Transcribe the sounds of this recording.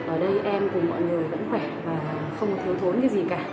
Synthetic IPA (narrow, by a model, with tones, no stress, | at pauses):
ʔəː˧˩ɗə˧jʔɛ˧mkʊ˨˩ŋ͡mmɔ̰˧˨jŋɨ˨˩əjvə̰˧˥nxwɛ˧˩vaː˨˩ | xə˧wŋ͡mkt̪ɨ˨˦ət̪ʰo˨˦nkaː˨˦jzi˨˩kaː˧˩